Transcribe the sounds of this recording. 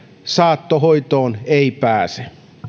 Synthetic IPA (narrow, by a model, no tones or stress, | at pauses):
sɑːt̪ːoɦoit̪oːneipæːse